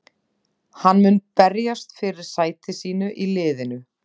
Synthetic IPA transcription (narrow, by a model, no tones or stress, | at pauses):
hanːmʏnpɛɾjast̪fɪɾɪɾ̥saːjt̪ɪsiːnʏʔilɪːðɪnʏ